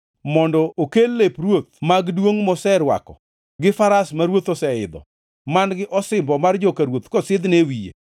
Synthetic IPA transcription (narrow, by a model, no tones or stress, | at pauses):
mɔndɔʔokelːeprwot̪̚maɡdwoŋmɔsɛɾwa̰kɔ | ɡɪfaɾasmaɾwot̪ɔsɛɪ̰d̪ɔ̰ | manɡɪʔɔsɪmbɔmard͡ʒokaɾwot̪kɔsɪd̪newijḛ